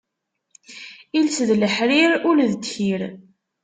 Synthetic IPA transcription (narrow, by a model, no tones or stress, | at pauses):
ilsðləħɾiɾʊlðəd̪çiɾ